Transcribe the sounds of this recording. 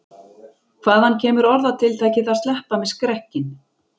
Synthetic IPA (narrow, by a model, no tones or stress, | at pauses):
kʰv̥aːðhancʰɛːmʏɾɔɾðat̪ʰɪlt̪ʰaːjcɪθaðst̪lɛhpamɛðskɾɛhcɪn